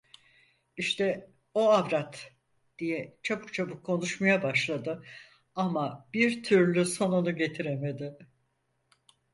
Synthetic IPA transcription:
iʃt̪ʰɛ | oavɾat̪ | d̪̥ijɛt͡ʃʰabɯk̚t͡ʃʰabukʰːo̞nuʃmajabaʃlˠad̪ɯ | amab̥iɾt̪ʰyɾlʲyso̞nonuɟe̞t̪ʰiɾeme̞d̪ɪ

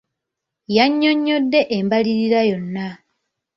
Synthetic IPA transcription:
jaɲːo̞ɲːodːe̞ʔembaliɾiɾajo̞nːa

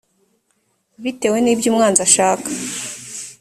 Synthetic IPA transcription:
βite̞we̞niːbjuːmŋaːnzaʃaːkḁ

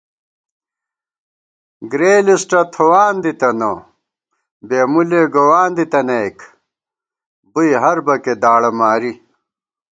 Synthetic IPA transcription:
ɡɾeːlisʈɐt̪ʰowaːnd̪it̪ɐno | beːmuleɡowaːnd̪it̪ɐnɐjk | bujɦɐɾbɐked̪aːɽɐmaːɾi

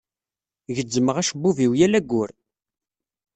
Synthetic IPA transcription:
ʝəd͡zːəməʁæʃbːuviwjælæɡːʊɾ

